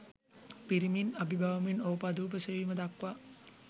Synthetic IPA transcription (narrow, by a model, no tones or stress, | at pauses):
piɾiminabibʱaʋɐminoːpad̪uːpəseʋiːməd̪akʋa